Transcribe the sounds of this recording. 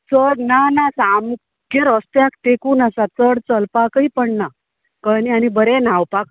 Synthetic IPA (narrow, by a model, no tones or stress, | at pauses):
t͡səɽnanasam | keɾəst̪jakt̪ekuːnasat͡səɽt͡səlpakəipəɳna | kənianibəɾɛnawpak